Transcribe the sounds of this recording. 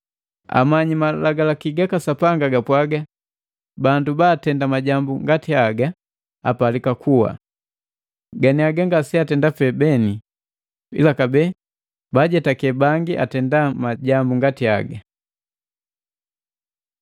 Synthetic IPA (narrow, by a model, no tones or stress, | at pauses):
a̰maɲimalaɡalakiɡakasapaŋɡaɡapwaɡa | bandubaːtɛndamaɟambuŋɡatiaɡa | a̰palikakʰuwa̰ | ɡaniaɡaŋɡasiatɛndafɛbɛni | ḭlakabɛ | baɟɛtakɛbaŋɡiʔa̰tɛndamaɟambuŋɡatia̰ɡa